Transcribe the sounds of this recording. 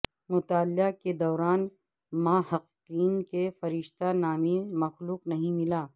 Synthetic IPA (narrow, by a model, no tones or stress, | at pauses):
mʊt̪aːljaked̪ɔːɾaːn | maːhɐqː | iːnkefɐɾɪʃt̪anaːmemɐxluːqnɐɦĩmɪlaː